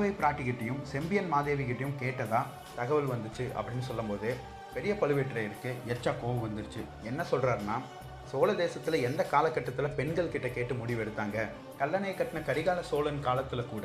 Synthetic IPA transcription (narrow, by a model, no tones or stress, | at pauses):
ʋɐɪpɾaːʈːɪkɪʈːɐjɯmsɛmbɪjɐnmaːðeːʋɪkɪʈːɐjɯmkeːʈːɐðaː | t̪ɐɣɐʋɯlʋɐnd̪ɯt͡ʃːɯʔɐ̰pːɐɽɪnːɯsɔlːɐmpoːðɯ | pɛɾɪjɐpɐlɯʋeʈːɾɐɪɾɯkːɯɛɾt͡ʃːaːkoːʋɐʋɐnd̪ɯɾt͡ʃːɯ | ɛnːɐsɔlrɾaːɾnaː | soːlɐd̪eːsɐt̪ːɪlɐɛnd̪ɐkaːlɐkːɐʈːɐt̪ːɪlɐpɛɳɡɐɭkɪʈːɐkeːʈːɯmʊɽɪʋɛɽɯt̪ːaːŋɡɐ | kɐlːɐnɐɪkːɐʈːɪnɐkɐɾɪɣaːlɐsoːlɐnkaːlɐt̪ːɪlɐkːuːɽɐ